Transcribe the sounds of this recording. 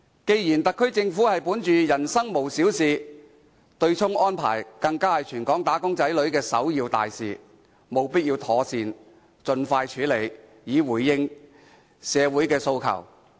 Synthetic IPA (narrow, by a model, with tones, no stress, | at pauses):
ke˧jjiː˨˩nt̪ɐ˨kʰːɵ˥ɥt͡sɪ˧ŋfuː˨˥hɐ˨jpuː˨˥nt͡ʃyː˨jɐ˨˩nsɐ˥ŋmo˨wsiː˨˥wsiː˨˧ | t̪ɵ˧ɥt͡sʰʊ˥ŋʔɔː˥npʰa̰ː˨˩jkɐ˧ŋkaː˥hɐ˨jt͡ʃʰyː˨˩nkɔː˨˥ŋt̪aː˨˥kʊ˥ŋt͡sɐ˨˥jlɵ˨˥ɥkɛː˧sɐ̰˨˥wjiː˧wt̪a̰ː˨jsḭː˨ | mo˨wpiː˥t̚jiː˧wt̪ʰɔː˨˧˥siː˨˧n | t͡sɵ˧nfaː˧jt͡ʃʰyː˨˥le˨˩j | jiː˨˧wuː˨˩jːɪ˧ŋ | sɛː˨˧wuː˨˥jkɛː˧so˧wkʰɐ̰˨˩w